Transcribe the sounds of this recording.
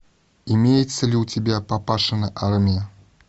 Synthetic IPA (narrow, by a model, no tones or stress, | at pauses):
imʲejɪt̪sːəlʲiwtʲɪbʲapapaʂɨnəʔarmʲɪjɐ